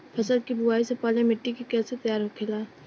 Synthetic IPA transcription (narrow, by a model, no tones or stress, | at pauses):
fʰɐsəlkibʊaːisepɔːlemɪʈːikikɛːset̪ɐjaːɾɦokʰelaː